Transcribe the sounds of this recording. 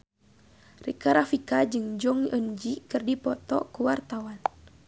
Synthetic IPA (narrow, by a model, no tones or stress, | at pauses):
rikaɾafikad͡ʒɨŋd͡ʒɔŋənd͡ʒikɨrdipɔt̪ɔ̰kuwart̪awan